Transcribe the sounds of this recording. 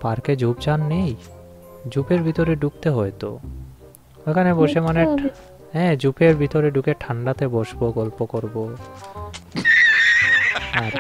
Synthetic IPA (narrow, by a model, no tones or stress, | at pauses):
paɾked͡ʑubd͡ʑanːej | d͡ʑupeɾbʱit̪oɾeɖuk̚t̪eɦoet̪o̰ | ekʰaneboʃemane | ɦɛ̃d͡ʑupeɾbʱit̪oɾeɖukeʈʰaɳɖat̪eboʃboɡɔlpokoɾbo | a